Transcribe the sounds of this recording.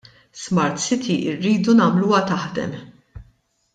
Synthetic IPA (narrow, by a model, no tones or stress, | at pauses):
smɐɾt̪sɪt̪ʰiʔɪrːiːd̪unɐːmluːwɐt̪ɐħd̪ɛ̰m